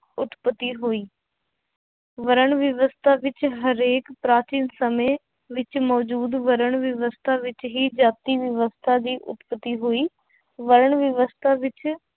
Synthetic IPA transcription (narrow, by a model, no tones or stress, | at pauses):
ʊt̪pət̪ːiːɦoːiː | ʋəɾəɳʋɪʋəst̪ʰaːʋɪt͡ʃɦəɾeːkpɾaːt͡ʃiːnsəmẽː | ʋɪt͡ʃmɔːd͡ʒuːd̪ʋəɾəɳʋɪʋəst̪ʰaːʋɪt͡ʃɦiːd͡ʒaːt̪iːʋɪʋəst̪ʰaːd̪iːʔʊ̰t̪pət̪iːɦoːiː | ʋəɾəɳʋɪʋəst̪ʰaːʋɪt͡ʃ